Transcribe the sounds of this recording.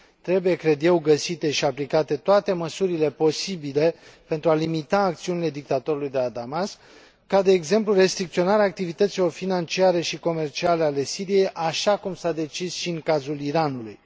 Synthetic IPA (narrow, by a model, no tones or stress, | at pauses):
t̪ɾe̞buje̞kɾe̞d̪je̞wɡəsit̪e̞ʃiaplikat̪e̞t̪oat̪e̞məsuɾile̞po̞sibile̞pe̞nt̪ɾualimit̪aːkt̪siunile̞d̪ik̚t̪at̪o̞ɾulujd̪e̞lad̪amas | kad̪e̞ːɡze̞mplure̞st̪ɾik̚t̪sio̞naɾeaːk̚t̪ivit̪ət̪silo̞rfinant͡ʃiaɾe̞ʃiko̞me̞rt͡ʃiale̞ale̞siɾije̞jʔaʃakumsad̪e̞t͡ʃizʃiɨŋkazuliɾanulṵj